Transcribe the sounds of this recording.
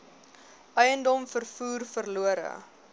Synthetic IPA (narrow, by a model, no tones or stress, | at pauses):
ʔœjəndɔmfərfuːrfərluəɾə̰